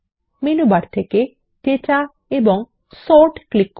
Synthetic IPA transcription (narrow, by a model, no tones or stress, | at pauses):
minubaɾt̪ʰeke | teʈa | eboŋ | sɔɾʈklikː